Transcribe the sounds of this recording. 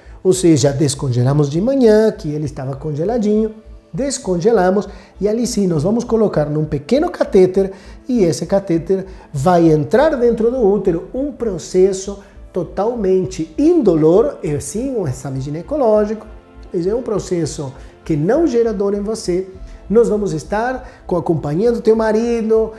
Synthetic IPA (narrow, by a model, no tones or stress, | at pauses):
oseʒɐd̪eskõʒelamʊzd͡ʒɪmɐ̃ɲɐ̃kɪelɪst̪avɐkõnʒelad͡ʒĩɲʊd̪eskõnʒelãmʊs | ialisĩnɔzvãmʊskolokaɾnũpekẽnʊkat̪et̪eɾiesɪkat̪et̪eɾvajẽnt̪ɾaɾd̪ẽnt̪ɾʊd̪ʊut̪eɾʊũŋpɾosɛsʊt̪ot̪awmẽnt͡ʃɪĩnd̪oloɾɛsĩũesamɪ̃ʒinekolɔʒikʊ̥ | eɛũpɾosɛsʊkɪnɐ̃w̃ʒɛɾad̪oɾẽŋvosenɔzvãmʊzest̪aɾkõakõmpaɲiɐd̪ʊt̪ewmaɾid̪ʊ